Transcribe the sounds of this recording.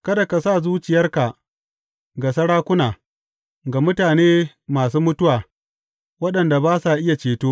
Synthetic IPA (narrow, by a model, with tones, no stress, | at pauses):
kɐ˦da˨ka˨saː˦˨zuː˦t͡ʃɪ˨jɐ˦rka˨ | ɡa˨sɐ˦ɽaː˦kʷʊ˦naː˨ | ɡa˨mʊ˦taː˨neː˦ | maː˨suː˦mʊ˦tʊ˦waː˨ | wɐ˦ɗɐ˨nda˨baː˦sa˨ʔɪ˦ja˨t͡ʃeː˨toː˦